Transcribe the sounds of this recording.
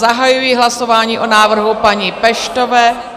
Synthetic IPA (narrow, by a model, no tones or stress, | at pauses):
zaɦajujiɦlasovaːɲiːʔonaːvr̩ɦupaɲipɛʃt̪ovɛː